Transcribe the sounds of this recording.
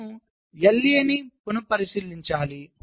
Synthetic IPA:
u | jɐlːiɐnipunupɐɾisiːliɲt͡ʃaːli

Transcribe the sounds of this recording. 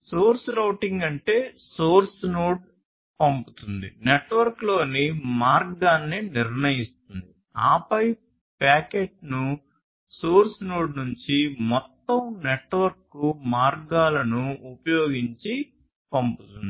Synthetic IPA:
soːɾsɾɐwʈiŋɡɐɳʈe̞ːsoːɾsnoːɖ | pɐmput̪und̪ḭneʈʋɐɾklo̞ːnimaːɾɡɡaːnːiniɾnɐjist̪und̪i | a̰ːpɐjp | paːkeːʈnu | soːɾsnoːɖnuɲt͡ʃimɔt̪ːɐmneʈʋɐɾkːumaːɾɡaːlɐnuːpɐjoːɡiɲt͡ʃi | pɐmput̪und̪i

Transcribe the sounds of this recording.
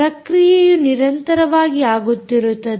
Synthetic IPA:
ɾɐkɾijɛjuniɾɐnt̪ɐɾɐʋaːɡiaːɡut̪ːiɾut̪ːɐd̪

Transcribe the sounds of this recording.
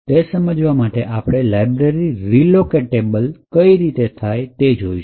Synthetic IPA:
t̪esəməd͡ʒʋamaʈeʔapɽ̃elajbɾeɾiɾilokeʈebəlkəiɾit̪et̪ʰajt̪ed͡ʒoiʃ

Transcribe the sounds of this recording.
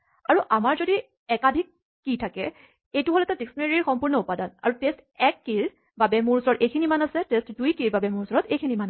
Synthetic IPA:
aɹuʔamaɹzodi | ɛkadʱikː | itʰakɛ | ejtʊɦolɛtadiksneɹiɹxɔmpuɹnɔupadana̰ɹutestɛkːil | babɛmuɹusɔɹɔtejkʰinimanasɛtestdujkiɹbabɛmʊɹusɔɹɔtejkʰiniman

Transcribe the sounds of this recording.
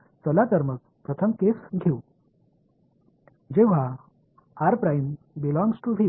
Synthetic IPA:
t͡səlat̪əɾmək̚pɾət̪ʰəmkesɡʱeu | d͡ʑeʋ̤a | aɾpɾajm | bilɔ̃ŋɡsʈubʱi

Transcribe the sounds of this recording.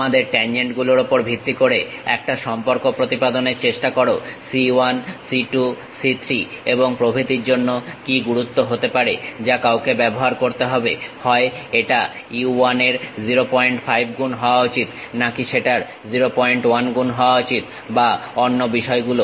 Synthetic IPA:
ad̪eɾʈɛnd͡ʑeɳʈɡuloɾopoɾbʱit̪ːikoɾeɛ̰kʈaʃɔmpoɾkopɾot̪ipad̪oneɾt͡ɕeʃʈakoɾosiwansiʈu | sit̪ʰɾieboŋpɾobʱit̪iɾd͡ʑonːokiɡuɾut̪ːoɦot̪epaɾed͡ʑakawkebɛboɦaɾkoɾt̪eɦɔbehɔeeʈa | uaneɾd͡ʑiɾopɔeɳʈfʰajb̚ʱɡunɦɔoaut͡ɕit̪ | nakiʃeʈaɾ | d͡ʑiɾopɔeɳʈwanɡunɦɔoaut͡ɕit̪ | baonːobiʃɔeɡulo

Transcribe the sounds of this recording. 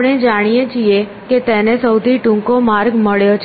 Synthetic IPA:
ɽ̃ed͡ʒaɽ̃ijet͡ʃie | ket̪ɛnesəwt̪ʰiʈũŋkomaɾɡməɭjot͡ʃʰ

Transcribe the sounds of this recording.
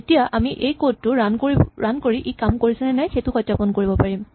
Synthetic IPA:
etijaʔamiʔejkod̚tːʊɹanoɹankoɹiʔikamkoɹisɛnɛnajxetʊkɔjtːapɔnkoɹibɔpaɹim

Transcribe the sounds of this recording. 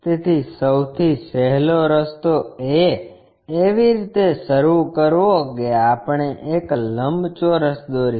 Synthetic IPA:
t̪et̪ʰisəwt̪ʰisɛɦloɾəst̪oeː | ʋiɾit̪eʃəɾukəɾʋokeapɳ̃eʔekləmbt͡ʃoɾəsd̪oɾi

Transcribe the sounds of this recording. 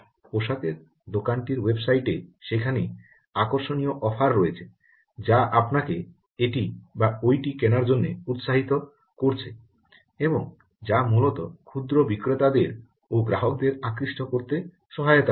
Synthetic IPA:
poʃat̪eɾ | d̪okanʈiɾwebsajʈeʃekʰani | akoɾʃonijoʔɔfʰaɾːoet͡ɕʰe | d͡ʑaʔapnake | eʈibaojʈikenaɾd͡ʑonːeut̪ʃaɦit̪o | koɾt͡ɕʰe | eboŋ | d͡ʑamulot̪okʰud̪ɾobikɾot̪ad̪eɾ | oɡɾaɦok̚d̪eɾakɾiʃʈokoɾt̪e | ʃɔɦajot̪a

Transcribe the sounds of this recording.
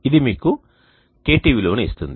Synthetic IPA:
id̪imiːku | ke̞ːʈiːʋilo̞ːnist̪und̪i

